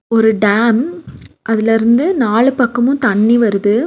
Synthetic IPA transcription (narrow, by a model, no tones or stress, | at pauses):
ɔɾɯɖaːmʔɐðɪlɪɾɯnd̪ɯnaːɭɯpɐkːɐmʊ̃t̪ɐɳːiʋɐɾɯðɯ